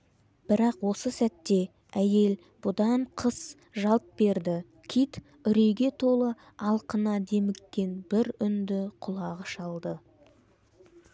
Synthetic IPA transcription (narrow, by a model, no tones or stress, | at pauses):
b̥ɪɾɑqwo̞səsæt̪ːe̞ | æje̞l | b̥ʊd̪ɑɴqʰəs | ʒɑlˠp̪̚be̞ɾd̪ɪ | kʲʰit̪ | ʏɾejɡʲe̞t̪ʰo̞lˠə | ɑlˠqənɑd̪e̞mɪkʲːe̞nb̥ɪɾʏnd̪ɪqʰʊlˠɑʁəʃɑlˠd̪ə